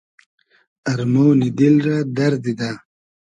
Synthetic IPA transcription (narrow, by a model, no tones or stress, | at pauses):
ɐɾmonid̪ilɾad̪aɾd̪id̪a